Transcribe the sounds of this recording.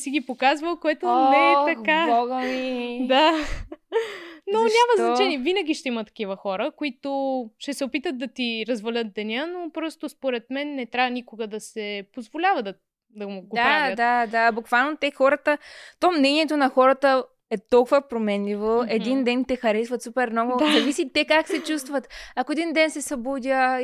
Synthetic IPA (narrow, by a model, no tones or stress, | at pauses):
siɡipokazvəlˠkoɛt̪onɛt̪ɐkaɔɡəmid̪a | nonʲamɐznɐt͡ʃɛniɛvinɐɡ̟iʃt̪ɛimətt̪ːɐ̥k̟ivəxɔɾəkʊit̪oʃt̪ɛsɛopit̪ət̪̚d̪ɐt̪iɾɐzvɐlʲət̪̚d̪ɛnʲənopɾɔst̪ospoɾɛt̪mɛnːɛt̪ɾʲavənʲikoɡəd̪ɐsɛpozvolʲavət̪ | d̪ɐmʊɡod̪aɾad̪ad̪abukvalˠnot̪ɛxɔɾət̪ət̪ɔmnɛniɛt̪onɐxɔɾət̪ə | ɛt̪ɔlˠkʊvəpɾomɛnlʲivoɛd̪ind̪ɛnt̪ɛxɐɾɛsvɐt̪supɛɾmnɔɡʊzɐvisit̪ːɛkaksɛt͡ʃust̪vət̪ɐkoɛd̪ind̪ɛnsɛsɐbud̪ʲə